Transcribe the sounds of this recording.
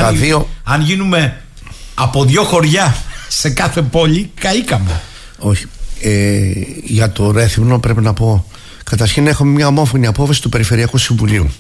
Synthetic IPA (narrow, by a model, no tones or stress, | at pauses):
t̪ɐðio̞ɐnʝinume̞ | ɐpo̞ðʝo̞xo̞ɾʝɐse̞kɐθe̞po̞ʎikɐikɐme | o̞çi̥e | ʝɐt̪o̞ɾe̞θimno̞pɾe̞pinɐpo̞ | kɐt̪ɐɾçine̞xomemɲɐomo̞fo̞niɐpo̞fɐsi̥t̪u̥pe̞ɾife̞ɾiɐkusiɱvuliṵ